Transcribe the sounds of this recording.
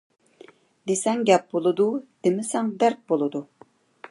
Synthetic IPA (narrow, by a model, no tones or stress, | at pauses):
d̪esɛŋɡʲɛp̚bolˠɨd̪ud̪̥emɪsɛŋd̪æɾk̚bolˠɨd̪u